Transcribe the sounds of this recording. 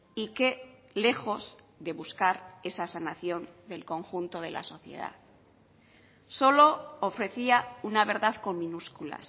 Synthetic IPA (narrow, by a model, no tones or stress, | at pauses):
ike̞ | le̞xo̞z | ðe̞βuskaɾe̞sasanaθjo̞nd̪e̞lko̞ŋxunt̪o̞ð̞elʔa̰so̞θje̞̰ða̰ | so̞lo̞ːfɾe̞θiaunaβ̞e̞ɾðaðko̞mmĩnuskula̰s